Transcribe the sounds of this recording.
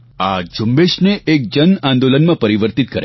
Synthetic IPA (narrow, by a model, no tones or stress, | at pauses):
ad͡ʒʊmbeʃneʔek̚d͡ʒənãnd̪olənmãpəɾiʋəɾt̪it̪̚kəɾe